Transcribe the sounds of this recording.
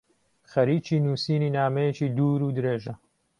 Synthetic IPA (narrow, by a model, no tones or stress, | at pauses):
xɐɾiːt͡ʃiːnuːsiːniːnaːmɐjet͡ʃiːd̪uːɾuːd̪ɨɾeːʒɐ